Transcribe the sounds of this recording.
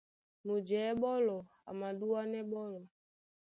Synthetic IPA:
mu˨d͡ʒɛː˨˦ɓɔ˦lɔ˨a̰˨ma˨du˦wa˦nɛ˦ɓɔ˦lɔ˨

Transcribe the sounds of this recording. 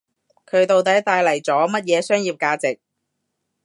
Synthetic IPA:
kʰɵ˨˧ɥt̪o˨wt̪ɐ˨˥jt̪aː˧jlɐ˨˩jt͡sɔː˨˥mɐ˥t̚jɛː˨˧sœː˥ŋjiː˨˧p̚kaː˧t͡sɪ˨k̚

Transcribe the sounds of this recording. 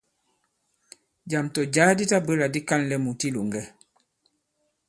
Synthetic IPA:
d͡ʒa˨mtɔ˨d͡ʒaː˦di˦ta˦bə˦la˨di˦ka˦nlɛ˦mu˨ti˦lu˨ŋɡɛ˦

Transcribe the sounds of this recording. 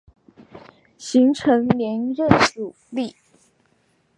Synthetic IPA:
ɕi˧˥ŋʈ͡ʂʰɤ˧˥ŋlɛ˧˥nɻə˥˩nʂu˨˩ | li˥˩

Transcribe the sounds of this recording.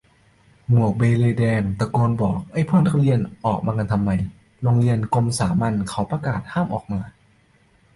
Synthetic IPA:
mu˨˩ək̚beː˧leː˧dɛː˧nt̪a˧˩koː˧nbɔː˨˩k̚ʔa˧˩jpʰɤː˥˩˨nt̪ʰa˧˥˩wli˧ənʔɔː˨˩k̚maː˧ka˧nt̪ʰa˧mːa˧˩j | lo˧ŋli˧ənko˧msaː˩˦ma˧nkʰa˩˦wpɾa˧kaː˨˩t̪̚haː˥˩mʔɔː˨˩k̚maː˧

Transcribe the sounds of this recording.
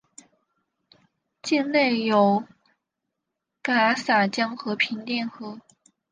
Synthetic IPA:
t͡ɕi˥˧nle˥˩ɪjo˨˩ʊ | ka˨˩˧sa˨˩t͡ɕjɑ˥ŋxɤ˧˥pʰi˧˥ŋt̪jɛ˥˩nxɤ˧˥

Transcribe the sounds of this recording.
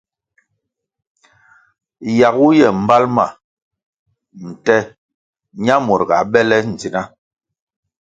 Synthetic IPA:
ja˨ɡu˦jɛ˨m̩˨ba˦lma̰˨ | n̩˨tɛ˦ | ɲa˦mɔ˨ɾɡa˨bɛ˦lɛ˦n̩˨d͡zi˦na˦

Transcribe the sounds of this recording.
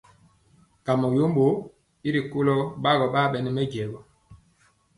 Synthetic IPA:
ka˨mɔ˨jo˦mbo˨˦ | i˦ɾi˨ko˦lɔ˦ɓa˦ɣɔ˨ɓa˦˨ɓɛ˨nɛ˨mɛ˦ɟɛ˨ɡɔ˨

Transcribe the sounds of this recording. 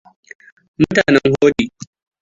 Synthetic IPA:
mʊ˦taː˨nɛ˦ŋhoː˦ɗiː˨

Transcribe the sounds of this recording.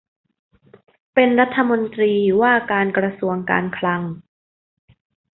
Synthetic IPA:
pe˧nɾa˦˥t̪ʰːa˧mo˧nt̪ɾiː˧uː˨˩waː˥˩kaː˧nkɾa˧su˧əŋka̰ː˧nkʰla˧ŋ

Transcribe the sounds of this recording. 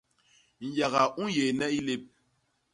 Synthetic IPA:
n̩˨ja˨ɣa˨ũ˦je˨nɛ˦i˦le˦p̚

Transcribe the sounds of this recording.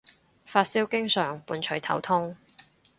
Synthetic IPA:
faː˧t̚siː˥wkɪ˥ŋsœː˨˩ŋpuː˨˧nt͡ʃʰɵ˨˥jt̪ʰɐ̰˨˥wt̪ʰʊ˥ŋ

